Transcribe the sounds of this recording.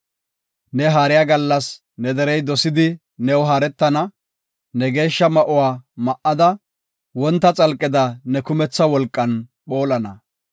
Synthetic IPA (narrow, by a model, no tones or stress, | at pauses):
nɛɦaːɾɪjaːɡɐlːɐs | nɛd̪ɛɾɛjd̪ɔsɪd̪ɪ | nɛwɦaːɾɛt̪ːɐnɐ | nɛɡe̞ːʃːɐmɐʔʊwaːmɐʔːɐd̪ɐ | wɔnt̪ːɐt͡sʼɐlkʼːɪd̪ɐnɛkʊmɛt͡sːɐwɔlkʼːɐnɓoːlɐnɐ